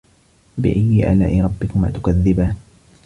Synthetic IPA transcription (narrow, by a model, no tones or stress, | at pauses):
bɪ̰ʔajːɪʔa̰laːʔɪɾˤɑbːɪkʊma̰ːt̪ʊ̥kaðːɪbaːn